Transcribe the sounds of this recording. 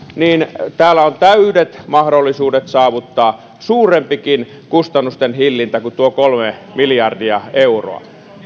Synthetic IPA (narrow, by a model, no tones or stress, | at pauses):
niːnt̪æːlːˑæont̪æydet̪mɑhdolːisuːdet̪sɑːʋut̪ːɑː | suːrempikin | kust̪ɑnːust̪enhilːint̪ækut̪uokolmemiljɑrdiɑeuro̰ɑ̰